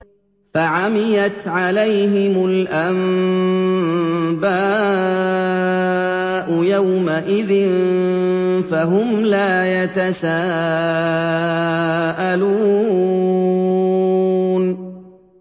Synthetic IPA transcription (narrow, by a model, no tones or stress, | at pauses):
faʕamɪjat̪ʕalajɦɪmʊlʔam | baː | ʔʊjawmaʔɪðɪn | faɦʊmlaːjat̪asaː | ʔaluː | n